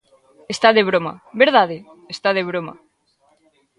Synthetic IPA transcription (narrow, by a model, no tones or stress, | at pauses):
est̪aðeβ̞ɾoma̰beɾðaðe | est̪aðeβɾoma̰